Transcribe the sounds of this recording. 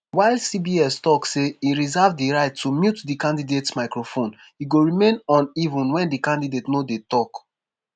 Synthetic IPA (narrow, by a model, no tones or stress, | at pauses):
waɪlsibiɛstɔkseiɹizavdiɹaɪtʰːumjutdikãndidetsmaɪkɹofõn | iɡoɹimẽnɔ̃nivũnwɛ̃ndikãndidetnodetɔk